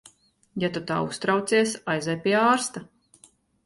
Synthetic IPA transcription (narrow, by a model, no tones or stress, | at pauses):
jat̪ut̪aːust̪ɾawt̪sʲiɛsajzɛjpʲiaːɾst̪a